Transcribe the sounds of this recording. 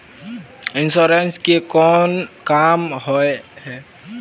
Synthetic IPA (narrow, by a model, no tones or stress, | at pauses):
insɔɾɛnskikɔnkamhɔehɛ